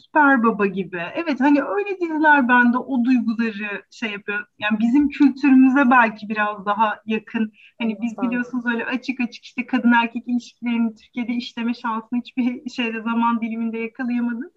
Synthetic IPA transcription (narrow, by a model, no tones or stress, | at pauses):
sy̥pʰæɾbabaɟibɪɛvɛt̪haniø̞jlʲed̪izlʲæɾbænd̪ɛʔo̞d̪ujɡulˠaɾɯʃejːapʰɯjojanbizimcʰylʲt̪ʰyɾymyzɛbælʲcʰibiɾazd̪aɦajakʰɯn | hanibizbilʲijo̞sunuzø̞jlʲɛ̰ʔat͡ʃʰɯkat͡ʃʰɯ̥ki̥ʃt̪ɛkʰad̪ɯnæɾcʰɛcilʲiʃcʰilʲe̞ɾinit̪ʰyɾcijed̪ɛiʃlʲe̞mɛʃansɯnhit͡ʃbiɾʃe̞jd̪ɛzamand̪ilʲimind̪ɛjakʰalˠɯjamad̪ɯk